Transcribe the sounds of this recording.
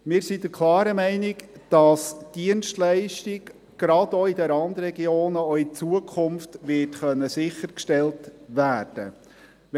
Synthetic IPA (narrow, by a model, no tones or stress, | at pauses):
mɪːɾsid̥əɾkʰlˠɑːɾəmɛɪnɪɡd̥ɑsd̥iənstlæɪʃtɪɡ | ɡ̥ɾɑdoidəɾɑndɾɛɡioːnəoit͡suəkʰʊmftʋɪtχœnːəsɪχəɾkʃtɛltʋæːɾd̥ə̰